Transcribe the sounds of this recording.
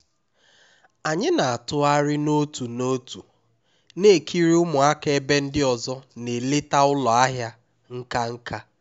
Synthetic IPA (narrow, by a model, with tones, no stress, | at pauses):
a˨ɲɪ˦na˨a˨tʊ˦a˦ɾɪ˦no˦tu˨no˦tu˨ | ne˦˨kʰi˦ɾi˦ʊ˦mʊ˨a˦ke˨e˦be˦n̩˦dɪ˦ɔ˨zɔ˦ne˨le˦ta˦ʊ˦lɔ˨a˦ɦja˦ | ŋ̩˦ka˦ŋ̩˦ka˦